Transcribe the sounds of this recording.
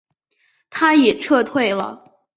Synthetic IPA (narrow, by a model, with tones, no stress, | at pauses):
t̪ʰa˥jɛ˨˩ʈ͡ʂʰɤ˥˧t̪ʰwe˥˩ɪlə̰˩